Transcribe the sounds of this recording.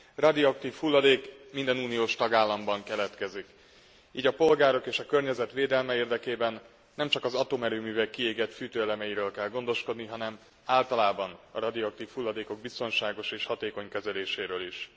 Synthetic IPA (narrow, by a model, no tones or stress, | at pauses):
rɒd̪iɒk̚t̪iːfhulːɒd̪eːkmind̪ɛnuːnijoːʃt̪ɒɡaːlːɒmbɒŋkɛlɛt̪kɛzik | iːɟɒpo̞lɡaːɾo̞keːʃɒkø̞rɲɛzɛt̪ʋeːd̪ɛlmɛeːrd̪ɛkeːbɛnː | ɛmt͡ʃɒkɒzɒt̪oːmɛɾøːmyːvɛkːieːɡɛt̪fyːt̪øːɛlɛmɛjiɾøːlkɛlɡo̞nd̪o̞ʃko̞d̪niɦɒnɛm | aːlt̪ɒlaːbɒnɒ̰rɒd̪ioɒkt̪iːfhulːɒd̪eːkoɡ̚bist̪o̞nʃaːɡo̞ʃeːʃhɒt̪eːko̞ɲkɛzɛleːʃeːɾøːliʃ